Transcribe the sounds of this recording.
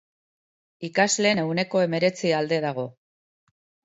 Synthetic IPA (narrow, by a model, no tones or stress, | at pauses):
ikazle̞ːne̞wne̞ko̞e̞me̞ɾe̞t͡siald̪e̞ðaɣ̞o̞